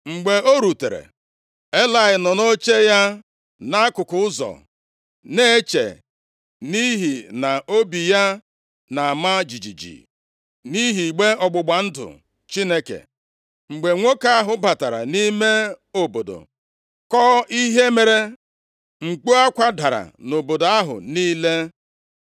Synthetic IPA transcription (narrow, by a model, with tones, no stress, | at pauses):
ŋ͡m̩˨ɡ͡be˨o˦ɾu˨te˨ɾḛ˨ | e˦la˨ɪ˨nɔ˨no˦t͡ʃe˦ja˦ | na˦a˦kʊ˨kʊ˨ʊ˦zɔ̰˨ | ne˦e˦t͡ʃḛ˨ | ni˦ɦi˨na˨o˦bi˨ja˦ | na˨a˨ma˦d͡ʒi˨d͡ʒḭ˨d͡ʒḭ˨ | ni˦ɦi˨ɡ͡be˦ɔ˨ɡ͡bʊ˨ɡ͡ba˨n̩˦dʊ̰˨ | t͡ʃi˦ne˦kḛ˨ | ŋ͡m̩˨ɡ͡be˨ŋʷo˦ka˦a˦ɦʊ˨ba˨ta˨ɾa̰˨ni˦me˦o˨bo˨do̰˨ | kɔ˦i˦ɦe˦me˨ɾe˦ | ŋ͡m̩˨ɡ͡bu˦a˦kʷa˦da˨ɾa̰˨no˨bo˨do˨˦a˦ɦʊ̰˨niː˦le˦